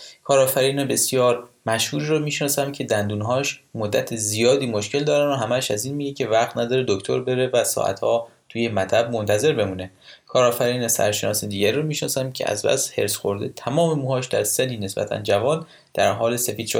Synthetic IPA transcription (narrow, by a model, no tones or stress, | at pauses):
kʰɒːɾɒːfæɾiːnɛbe̞sijɒːɾmæʃhuːɾiːɾomiːʃnɒːsæmcʰe̞d̪ænd̪uːnɦɒːʃmod̪ːæt̪ʰezijɒːd̪iːmo̞ʃcʰe̞ld̪ɒːɾænoɦæmæʃæziːnmiːɟecʰe̞væɣt̪ʰnæd̪ɒːɾed̪oct̪ʰoɾbe̞ɾe̞væsɒ̰ʔæ̰t̪hɒːt̪ʰuːjemæt̪ʰæb̚mo̞nt̪ʰæze̞ɾbe̞muːne̞ | kʰɒːɾɒːfæɾiːnɛsæ̰ɾʃe̞nɒːsed̪iːɟæɾiɾomiːʃnɒːsæmcʰe̞̰æ̰zbæ̰she̞̰ɾsxo̞ɾd̪ḛt̪ʰæmɒːmemuːhɒːʃd̪æ̰ɾsed̪iːne̞sbæ̰t̪ʰæ̰nd͡ʒævɒːn | d̪̥æɾɦɒːlese̞fiːd̪̥ʃ